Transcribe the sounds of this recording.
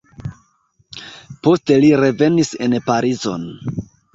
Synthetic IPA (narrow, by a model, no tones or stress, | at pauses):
po̞ste̞liɾe̞ve̞nise̞npaɾizo̞̰n